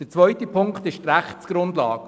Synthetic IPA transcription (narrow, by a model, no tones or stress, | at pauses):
ət͡svœʏtəpʰʊŋkt̪ɪʃtræχtsɡ̥ɾʊndlɑ̰ːɡ